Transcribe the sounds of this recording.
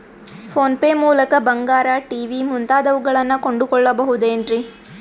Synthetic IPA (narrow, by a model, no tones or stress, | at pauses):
pʰo̞ːnpeːmuːlɐkɐbɐŋɡaːɾɐʈiːʋimunt̪aːd̪ɐʋuɡɐɭɐnːɐko̞ɳɖukɔɭːɐbɐɦud̪eːɳɖɾi